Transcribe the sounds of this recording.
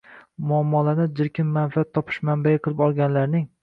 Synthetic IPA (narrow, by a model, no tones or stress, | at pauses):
mʊamːɒlanɪd͡ʒɪɾkʲɪnːanfiat̪ʰːɒpʰɪ̥ʃmanbajaqʰɨlˠɪpɒlˠɡʲanlaɾnɪŋ